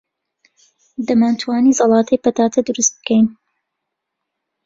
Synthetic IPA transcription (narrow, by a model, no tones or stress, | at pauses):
d̪ɐmaːnt̪ʰwaːniːzɑlˠɑːt̪ʰɐjpɐt̪aːt̪ʰɐd̪ɨɾust̪̚bɨ̥kɛjn